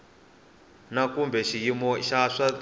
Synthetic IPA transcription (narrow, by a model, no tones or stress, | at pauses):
nakumbɛʃijimɔʃaʂa